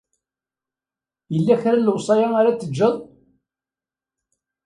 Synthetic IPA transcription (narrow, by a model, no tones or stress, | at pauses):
jəlːæçɾaləwsˤɑjaaɾat͡sːəd͡ʒːəðˤ